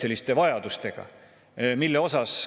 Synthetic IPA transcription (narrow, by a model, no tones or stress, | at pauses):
e̞lʲːist̪e̞vɑjɑd̪ust̪e̞ɡ̥ɑ̰ | milːeo̞sɑs